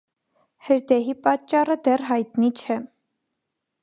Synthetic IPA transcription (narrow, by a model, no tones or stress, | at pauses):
həɾd̪ɛɦipɑt͡ʃːɑrəd̪ɛrɦɑjt̪nit͡ʃʰɛ